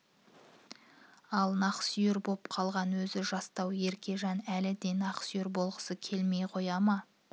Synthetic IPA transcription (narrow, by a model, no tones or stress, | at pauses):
ɑlˠnɑqə̥sjʏɾbo̞pqʰɑlˠʁɑnwɵzɪʒɑst̪ɑwe̞ɾkʲe̞ʒɑnælɪd̪e̞jnɑqə̥sjʏɾbo̞lˠʁəsəkʲʰe̞lme̞jqʰo̞jɑmɑ